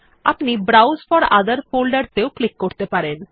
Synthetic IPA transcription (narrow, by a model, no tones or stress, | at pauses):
a̰pnibɾawsfɔɾa̰d̪əɾpʰolɖəɖt̪ewklikːoɾt̪epaɾen